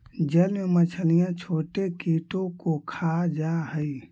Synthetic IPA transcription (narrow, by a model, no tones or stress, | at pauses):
d͡ʒənmmət͡ʃʰənijãt͡ʃʰoːʈekiʈõkokʰad͡ʒaɦəi